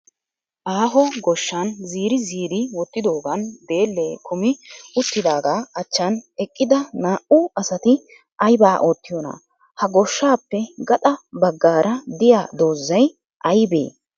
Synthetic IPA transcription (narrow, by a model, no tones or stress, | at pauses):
ʔaːɦɔɡɔʃːɐnziːɾɪziːɾɪwɔt̪ːɪd̪o̞ːɡɐnd̪e̞ːlːeːkʰʊmɪʊt̪ːɪd̪aːɡaːɐt͡ʃːɐnɛkʼːɪd̪ɐnaːʔʊɐsɐt̪ɪ | ɐjbaːʔoːt̪ːɪjɔnɐ̰ | hɐɡɔʃːaːpːɛɡɐt̪ʼɐbɐɡːaːɾʔɐd̪ɪjaːd̪o̞ːzːɐj | ʔɐjbḛː